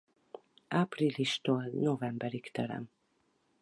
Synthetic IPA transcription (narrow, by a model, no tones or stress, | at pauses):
aːpriliʃt̪oːlnovɛmbɛɾikt̪ɛɾɛ̰m